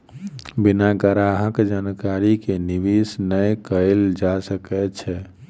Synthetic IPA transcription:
binaɡəɾaɦəkd͡ʒankaɾikeniʋisnəjkəeld͡ʒasəkɛt͡ʃʰɛ

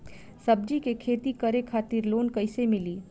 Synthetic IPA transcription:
sɐb̚d͡ʒikekʰeːt̪ikɐɾekʰaːt̪ɪɾloːnkɐɪsemɪliː

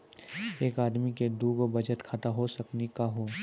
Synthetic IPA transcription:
eːkaːd̪miked̪uːɡobɐd͡ʒət̪kʰaːt̪aɦosɐknikaɦoː

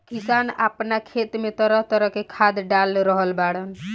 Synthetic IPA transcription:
kisana̰pnakʰet̪met̪əɾəɦt̪əɾəɦkekʰad̪ɖalɾəɦəlbaɽən

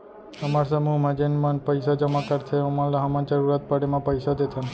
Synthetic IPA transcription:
t̪əmaɾsəmumad͡ʒenmanpəjsad͡ʒəmakaɾt̪ʰeɔmãlaɦamãnd͡ʒəɾuɾat̪̚pəɽemãpəjsad̪et̪ʰən

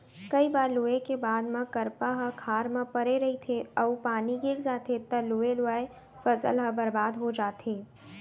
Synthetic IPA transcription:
kɐibaːɾluːekebaːd̪mãkɐɾpaɦɐkʰaːɾmãpɐɾeɾɐɦit̪ʰeɐupaːniɡɪɾd͡ʒaːt̪ʰet̪ɐluːelʊaːe | fɐsə̰lɦɐbɐɾbaːd̪ɦod͡ʒaːt̪ʰeː

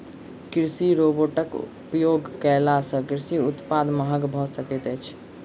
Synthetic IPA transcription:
kɾsiɾoboʈəkupjoɡkɛlasə̃kiɾsiut̪pad̪məɦəɡbʱɔsəkɛt̪əjt͡ʃʰ

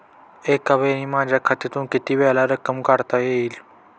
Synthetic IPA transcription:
eːkɐbeːnĩmãːd͡ʒakʰɐt̪it̪ũːkɪt̪iʋeːlaːɾəkəmkaɾt̪aeil

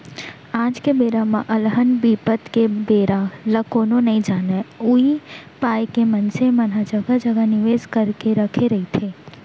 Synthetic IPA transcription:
aːd͡ʒkebeːɾamã̰ʔɐlɦənbiːpət̪kebeːɾaləkoːnõnɐɦĩd͡ʒaːneuipaːjkemɐnsemɐnɦad͡ʒəɡad͡ʒəɡanɪʋeːzkəɾkeɾəkʰeɾɐɦit̪ʰeː

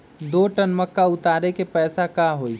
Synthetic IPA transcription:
d̪oːʈənməkːaʊt̪aːɾekepɛːsakaɦoːi

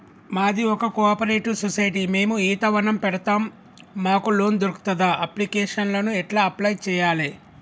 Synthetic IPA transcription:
maːd̪iɔkɐkɔːpɐɾeːʈusɔsɐjʈime̞ːmuiːt̪ɐʋɐnɐmpɛɽɐt̪aːmː | aːkulo̞ːnd̪oɾuku̥t̪ɐd̪aʔɐplikɛːʂɐnlɐnuɛʈlaːɐplɐjt͡ʃɛːjaːle

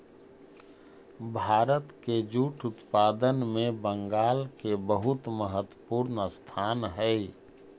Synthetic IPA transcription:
bʱaːɾət̪ked͡ʒuːʈʰʊt̪paːd̪ənmẽbə̃ŋɡaːlkebəɦʊt̪məɦət̪wəpuːɾnst̪ʰaːnɦɛ

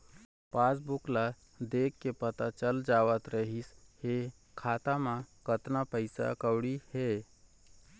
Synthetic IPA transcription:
pasbukla | d̪ekːepət̪at͡ʃəld͡ʒaːʋət̪ɾəɦishe | kʰaːt̪amãkət̪napəɪsa̰kəʊɽihe

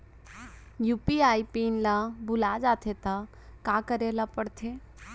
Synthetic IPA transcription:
juːpiaːipinlabʊlad͡ʒat̪ʰet̪a | kakəɾelapəɽt̪ʰe

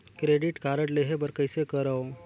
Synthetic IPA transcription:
kɾeːɖɪʈkaːɾəɽleːɦebəɾkəɪsekəɾəo

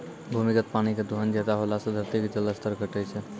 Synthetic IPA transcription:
bʱumikət̪̚paɽ̃iked̪ʱuɦənd͡ʒɛt̪aɦolasəd̪ʱəɾt̪ikd͡ʒəlːəst̪ʰəɾkəʈət͡ʃʰɛ

